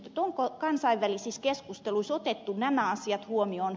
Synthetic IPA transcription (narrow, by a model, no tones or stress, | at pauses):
t̪et̪oŋkokɑnsɑiʋʋælisiskeskust̪eluisot̪et̪ːunnæmæɑsiɑt̪huomioːn